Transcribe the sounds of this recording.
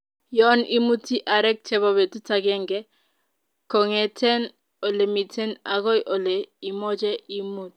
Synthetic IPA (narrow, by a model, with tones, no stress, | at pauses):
jɔ˦ni˦mu˦ti˦ʔa˨ɾɛ˦k̚t͡ʃɛ˦βɔ˦be˨tu˦ta˦ɡɛ˦ŋɡɛ˦ | ko˨ŋe˨tʰɛ˦n | o˨le˨mi˨tʰɛ˦na˨ɡɔ˦jʔo˨le˨i˨mɔ˦d͡ʒɛ˦i˦mu˦t̚